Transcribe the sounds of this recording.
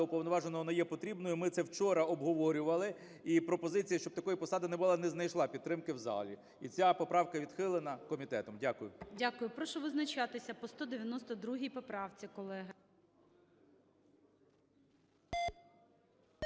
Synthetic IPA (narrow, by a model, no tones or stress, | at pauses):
ʊpɔwnɔʋɑʒenɔɦɔnɐjɛpɔt̪ɾʲibnɔjʊmɪt̪sɛwt͡ʃɔɾɐɔbɦɔʋɔɾʲʊʋɐlˠɪ | ipɾɔpɔzɪt͡sʲijɐʃt͡ʃɔb̚t̪ɐkɔjipɔsɑd̪ɐnɛbʊlˠɑnɛznɐjʃlˠɑpʲid̪̚t̪ːɾɪmkɪwzɑ̰lʲi | it͡sʲapɔpɾɑwkɐʋʲid̪xɪlˠɪnɐkɔmʲit̪ɛt̪ɔmdʲakʊjʊdʲakʊjʊpɾɔʃɔʋɪznɐt͡ʃɑt̪ɪsʲɐpɔst̪ɔd̪eʋʲjɐnɔst̪ɔd̪ɾuɦijpɔpɾɑwt͡sʲikɔlˠɛɦɪ